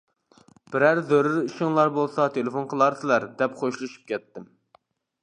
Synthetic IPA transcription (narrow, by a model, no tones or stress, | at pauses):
b̥ɪɾæɾzøɾyɾiʃɪŋlˠɑɾbolˠsɑt̪ʰelefonqʰəlˠɑɾsɨlæɾd̪ɛpqʰoʃlˠuʃy̥p̚kʲɛt̪ːɪm